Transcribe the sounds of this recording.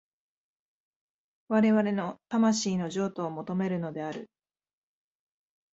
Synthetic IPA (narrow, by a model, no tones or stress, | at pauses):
βaɾe̞βaɾe̞no̞t̪amaɕiːno̞ʑo̞ːt̪o̞ːmo̞t̪o̞me̞ɾɯ̟no̞d̪e̞aɾɯ̟̰